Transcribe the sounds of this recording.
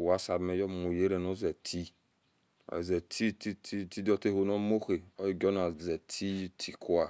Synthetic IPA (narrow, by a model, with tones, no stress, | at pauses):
wa˨˦sa˨me˨jɔ˦˨mo˨je˦ɾe˨no˦zɛ˨tʰi˦ | a̰˨zɛ˨tʰi˦ti˦ti˦ti˦do˦te˦ho˨no˦mo˦xe˨o˦i˨ɡɔ˦na˨zɛ˨tʰi˦tʰi˨kʰu˦a˨